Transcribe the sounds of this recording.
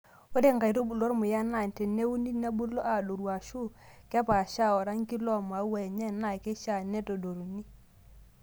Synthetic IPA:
wo˦de˦˨ŋɡa˨jɾo˦bu˨lo˦ɾmʊ˨ja˦na˦˨n˨tɛ˨ne˦u˦ni˦na˦bu˦lo˦ʔa˨do˨ɾwa˨ʃu˦˨ka˦pa˨ʃa˦˨ɔ˨ɾa˦ŋki˦lɔ˦ma˨˦wɛ˨ɲɛ˦na˨ke˦ʃa˦˨nɛ˦to˨do˨ɾu˨ni˦

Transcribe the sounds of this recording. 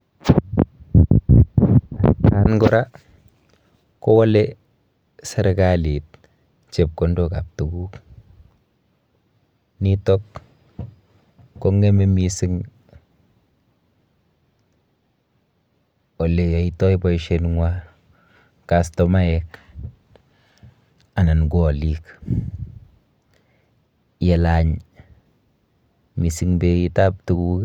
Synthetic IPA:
kanɡʊ˦ɾa | ko˦wɔ˦le | se˨ɾkali˨t̚ | t͡ʃe˨p̚kondo˨ka˨p̚tu˨ɡu˦k | nitɔk | o˦ŋe˦me˦misɪ˦ŋ | o˨le˨a˨itɔ˦jbɔ˨jʃenŋwa | kastɔma˦jɛk | a˨na˨nɡɔ˨lik | je˨laɲ | mi˨sɪŋbei˦tap̚tu˨kuk

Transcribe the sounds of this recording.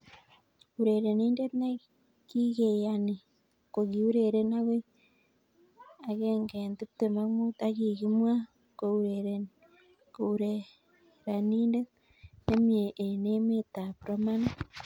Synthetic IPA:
u˨ɾe˨ɾeniː˦nde˦tne˦ | ki˦ɣe˨jani˨ | koɣi˨u˦ɾe˨ɾe˦na˦we˦ | a˨ɣeŋɡenti˦ptema˦mu˦ta˦ɣi˨ɣi˦mwa˦ | kouɾeɾe | ko˨uɾe | ɾa˨niː˦nde˦t | ne˦mie˨ʔːne˦me˦ta˨puɾo˦mana˦

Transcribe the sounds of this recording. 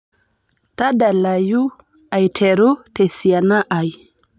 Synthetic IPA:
ta˦da˨la˨ju˦ | a˨jtʰe˨ɾu˦te˨si˨a˨na˦ʔa˨j

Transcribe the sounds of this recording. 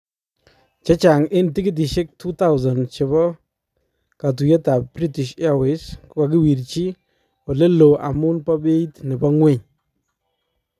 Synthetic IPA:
t͡ʃɛ˦t͡ʃa˨ŋɪ˦ntɪ˦kɪ˦t̬ɪ˨ʃɪ˦k̚tʰu˦ta˦wza˨nt͡ʃe˨bɔ˦ | ka˨t̬u˨jɛ˦ta˨p̚bɾi˦tɪ˨ʃa˦wɪ˨s | ka˨k̬ɪ˦wi˨ɾt͡ʃi˦ | ɔ˨le˦lo˨ʔa̰˨mʊ˦npɔ˦be˦tnɪ˨bɔ˦ŋwe˦˨ɲ

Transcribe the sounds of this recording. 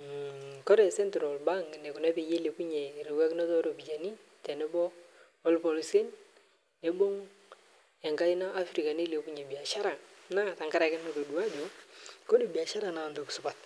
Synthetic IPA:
kɔ˦ɾɛ˨sɛ˦ntɾɔ˨lba˦ŋɡne˨ku˨nɛ˦pe˨je˦le˨ku˦ɲe˨ɾɪ˨wɛ˦knɔ˦tɔ˦ɾo˨bi˨d͡ʒa˨ni˦ | tɛ˨nɛ˦bɔː˦ | lpɔ˨lse˦n | ne˨bo˦ŋ | ɛ˨ŋɡa˦i˦na˦ʔa˦fɾi˨ka˨ni˦le˨ku˦ɲe˨bi˨a˨ʃa˦ɾa˨ŋna˦˨ta˨ŋka˦ɾa˨kɛ˦n˨to˨du˨a˦d͡ʒɔ˦ko˦di˨bi˨a˨ʃa˦ɾa˨na˨ndu˨ksʊ˨pa˨t̚

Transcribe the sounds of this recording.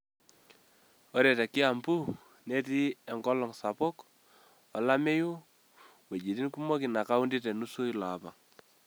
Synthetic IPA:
ɔ˦ɾe˨tɛ˨kɪ˦a˨mbu˦ | ne˦ti˦e˨ŋɡɔ˦lɔ˨ŋsa˨pɔ˦k | ɔ˨la˦me˦ju˦ | we˨d͡ʒi˨ti˦nku˦mɔ˦ki˨na˨ka˦u˦ndi˦te˨nu˦su˦i˦la˨pa̰˨ŋ

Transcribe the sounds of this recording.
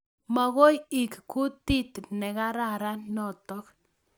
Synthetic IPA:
ma˨ɣo˦ji˨kku˦t̪i˦t̪nɛ˨ka˦ɾa˦ɾa˦nːɔ˦˨t̪ɔ˦k

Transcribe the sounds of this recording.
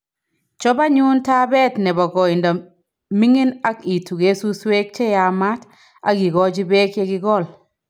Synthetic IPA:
t͡ʃɔ˦ba˦ɲu˦nta˦bɛ˦tnɛ˨bɔ˨ɡɔ˨ɪ˨nda˨ | mi˦ŋi˦na˦ki˨tu˨ɡe˦su˦swe˦k̚t͡ʃɛ˦ja˨ma˦t | a˦ɡɪ˨ɡɔ˦d͡ʒɪ˦be˦kje˦ɡɪ˦ɡɔ˦˨l

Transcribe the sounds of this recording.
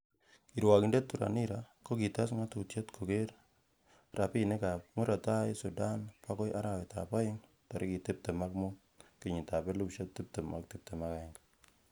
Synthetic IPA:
i˨ɾwa˨ki˨nde˦tːu˨ɾa̰˨ni˦ɾako˦ki˨ta˦s̬ŋa˦tu˨tje˦tkʰo˨ke˦ɾ | ra˨pi˦ne˦ka˨mu˦ɾa˨ta˦jsu˨da˦npa˦kɔ˦jʔa˦ɾa˨we˨ta̰pa˦jɪ˦ŋ | ta˨ɾi˦ki˨tɪ˦p̚te˨ma˦kmu˦ | ki˨ɲi˨ta˨pe˦lu˦pʃe˦tːɪ˦p̚te˨ma̰˨k̚tɪ˦p̚te˨ma˦ka˨ɪ˦ŋkḁ

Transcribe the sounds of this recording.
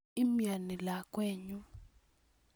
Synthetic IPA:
i˦mja˨ni˨la˨kʼweː˦ɲu˦

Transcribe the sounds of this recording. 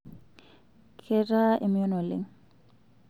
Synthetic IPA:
kʰɛ˦ra˦ʔe˨m˦jɔ˦nɔ˨lɪ̰˦ŋ

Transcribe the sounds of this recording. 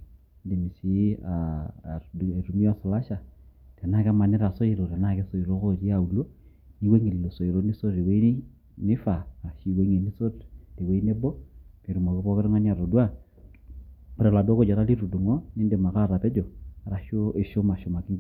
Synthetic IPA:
nde˨mi˨si˦a˨ | e˨ɾu˨mi˦a˦˨sa˨la˦ʃa˨ | tɛ˨na˦ka˦ma˨ni˦ɾa˨so˦i˨ɾo˨te˨na˦˨ke˦so˨i˨ɾo˦ko˦˨ɾi˦a˦˨u˨lo˦ | ni˦ke˦ŋi˨llo˨so˨i˨ɾo˦ni˦so˦i˨we˦i˦ | ni˦fa˨a˨ʃi˨we˦ŋe˨ni˦so˦tte˨we˦i˦ne˦bɔ˦ki˨ɾu˨mo˨kɪ˦pɔ˦kɪ˦ɾŋa˦n˦a˨ɾo˨dwa˦ | pɾe˨la˨do˦ko˦d͡ʒa˨ɾa˦li˦ɾu˨du˨ŋo˦ni˦nde˨ma˨ka˦˨ɾa˨pɛ˦d͡ʒɔ˨a˨ɾa˨ʃo˦e˨ʃo˦ma˨ʃo˨ma˨kɪ˦ŋ˦

